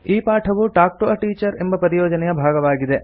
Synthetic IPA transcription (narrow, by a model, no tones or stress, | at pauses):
iːpaːʈʰɐʋuʈaːk̚ʈoɐʈiːt͡ʃɐɾembɐpɐɾijoːd͡ʒɐnɛjɐbʱaːɡɐʋaːɡid̪e